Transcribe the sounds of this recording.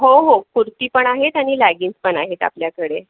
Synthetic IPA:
ɦoɦokuɾt̪iːpəɳaɦet̪aɽ̃ilaɡiːnt͡spəɳaɦet̪a̰pljakəɽe

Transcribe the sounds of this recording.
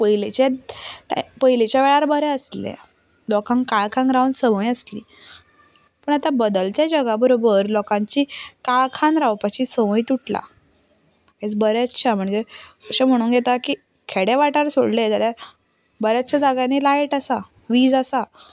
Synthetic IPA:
pəɦilet͡ɕeʈpəɦilet͡ɕjaʋɛɭaɾbəɾɛəslḛ̃ | lɔkãŋkaɭkʰãŋɡɾawɳsəməjəslḭː | pəɳ̃at̪abəd̪əlt̪jad͡ʑəɡabəɾobəɾlɔkãɲt͡ɕiːkaɭkʰãnɾawpat͡ɕiːsəməit̪uʈʰla̰ | et͡sbəɾat͡sːɕʰam̤əɳd͡zeəɕam̤əɽ̃uːnɡʱet̪akiː | kʰeɽeʋaʈaɾso̰ɽled͡ʑ̪ala | bəɾjat͡ɕad͡zaɡanilajʈasa | ʋiːd͡zasa

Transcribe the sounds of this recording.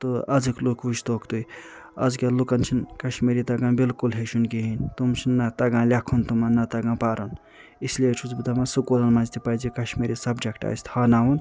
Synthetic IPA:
t̪oɐd͡zɨklukʋuʃt̪okt̪uj | ɐ̰d͡zkalukɐnt͡ʃʰinkɐʃmiɾit̪ɐɡãːbilkulɦeʃunɡiɦint̪umt͡ʃʰinːɐt̪ɐɡãːlʲakʰunt̪umanːɐt̪ɐɡãːpaːɾɐn | islet͡ʃʰut͡sbid̪amasukolɐnmazt̪ipajd͡ʒikɐʃmiɾisɐbd͡ʒɐkʈa̰jst̪ʰhɐnaːwun

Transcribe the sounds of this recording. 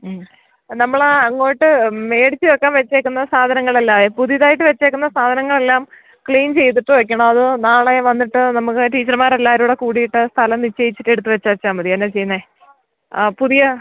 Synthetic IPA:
nɐmːɐɭɐŋːo̞ːjiʈːɨme̞ːɽit͡ɕːiokːaːnʋet͡ɕːeːkːunːɐsaːd̪ʱɐnɐŋːɐɭelːaːepuðiðaːjiʈ̬ːɨʋet͡ɕːekːunːɐsaːd̪ʱɐnɐŋːɐɭe̞lːaːm | kɭiːnt͡ɕe̞jt̪̬iʈːɨʋɐk̬ʲːɐɳɐɐðɨnaːɭe̞ʋɐnːiʈːɨnɐmukːɨʈiːt͡ɕːɐrmaːɾelːaːɾuːɽekuːɽijiʈːɨst̪ʰɐlɐmnit͡ɕːejit͡ɕːiʈːe̞ɽut̪̬ːɨʋɐt͡ɕːɐʋɐt͡ɕːaːmbɐðijanːet͡ɕe̞jːunːe | puðijɐ

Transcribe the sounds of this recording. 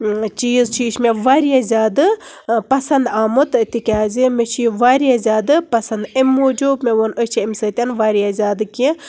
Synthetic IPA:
t͡ʃiːzt͡ʃʰiːʃmeʋaːɾijazʲaːd̪ɨ | pɐsɐnd̪aːmut̪t̪ikʲaːzimet͡ʃʰiʋaːɾijazʲaːd̪ɨpɐsɐnd̪emːoːd͡ʒuːbmeʋonət͡ʃʰiimʲsɨt̪ʲɐnʋaːɾijazʲaːd̪ɨkʲi

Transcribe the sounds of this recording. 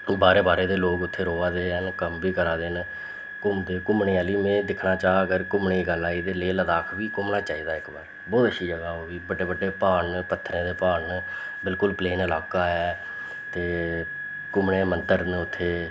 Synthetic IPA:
baːɾeːbaːɾeːd̪eːloːkʊt̪ʰːeːɾoːaːd̪eːɦənkəmbiːkəɾaːd̪eːn | kʊmd̪eːkʊmɳeːaːliːmẽːd̪ɪkʰnaːt͡ʃaːɡəɾkʊmɳeːɡəlaːid̪eːleːləd̪aːkʰbiːkʊmnaːt͡ʃaːiːd̪aːɪkbaːɾ | bɔːt̪əʃʰiːd͡ʒəɡaːoːʋiːbəɖeːbəɖeːpaːnpət̪ʰːɾẽːd̪eːpaːɳ | bɪlkʊlpleːnəlaːkaːɦɛː | t̪eː | kʊmɳẽːmənt̪əɾnʊt̪ʰːeː

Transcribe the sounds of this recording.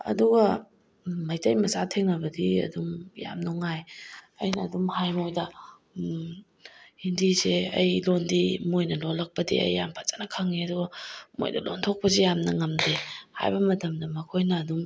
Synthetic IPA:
ɐ̰duɡɐ | mɐjtɐjmɐsatʰeŋnɐbɐdiɐ̰dumja̰mnoŋaj | ɐ̰jnɐːdumhajmojdɐ | hindizeɐ̰jlondimojnɐlolːɐk̚pɐdḭɐ̰jːampʰḁt͡ʃanɐkʰaŋiɐduɡɐmo̰jdɐ̰lontʰok̚pɐzijamnɐŋɐmdeha̰jbɐmɐtɐmdɐmɐkʰojnɐːdum

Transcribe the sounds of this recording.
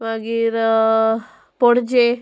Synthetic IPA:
ʋaɡiɾ | poɽd͡ʒe

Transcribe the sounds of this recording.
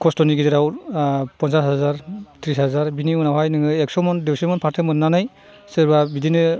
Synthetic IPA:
kʰɔstɔniɡidiɾawpɔnsashɦazaɾtʰɾisazaɾbiniunawɦajnɯŋɯek̚sɔmɔndisimɔnpʰaɾtʰɯmɯnːanaj | sɯɾbabidinɯ

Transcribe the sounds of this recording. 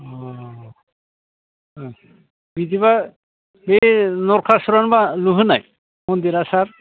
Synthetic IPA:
ɔ | bid̪iβa | benɔɾkʰasuɾanbaluɦɯnaj | mond̪iɾasaɾ

